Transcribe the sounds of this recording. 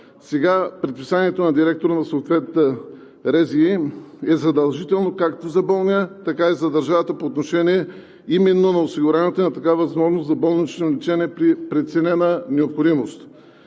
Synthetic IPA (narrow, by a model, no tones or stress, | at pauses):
sɛɡapɾit̪̚pisaniɛt̪onɐd̪iɾɛk̚t̪oɾnɐsot̪vɛt̪ːə | ɾɛziɛzɐd̪ɐlˠʒit̪ɛlˠnokakt̪ozɐbəlˠnʲət̪ɐkaizɐd̪ɐɾʒavət̪əpoːt̪noʃɛniɛ | imɛnːonɐosiɡʊɾanɛt̪onɐt̪ɐkavɐzmɔʒnoszɐbɤlˠnit͡ʃnolit͡ʃɛniɛpɾipɾɛt̪sɛnɛnənɛopxod̪imost̪